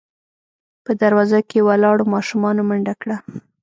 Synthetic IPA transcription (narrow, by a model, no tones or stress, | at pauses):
pəd̪aɾwɑzakewalɑɽomɑʃumɑnomaɳɖakɽa